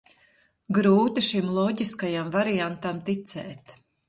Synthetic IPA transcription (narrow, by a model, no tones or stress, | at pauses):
ɡɾuːt̪iʃimlˠɔɟiskajamvaɾiant̪amt̪it̪sɛːt̪